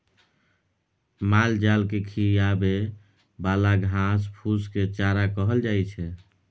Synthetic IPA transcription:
mald͡ʒalkekʰijabe | balaɡʱãspʰusket͡ʃaɾakəɦəld͡ʒajt͡ʃʰɛ

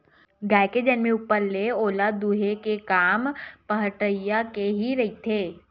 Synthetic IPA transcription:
ɡɛːked͡ʒɛnmẽʊpːəɾleoːlad̪uːɦekekaːmpɐɦʈəjakeɦiɾɐɦit̪ʰeː

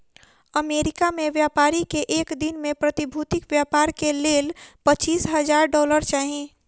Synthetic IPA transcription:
əmeːɾɪkamẽʋjaːpaːɾikeʔeːkd̪ɪnmẽpɾət̪ɪbʱuːt̪ɪkʋjaːpaːɾkeleːlpət͡ʃiːsɦəd͡ʒaːɾɖɔːləɾt͡ʃaːɦĩ

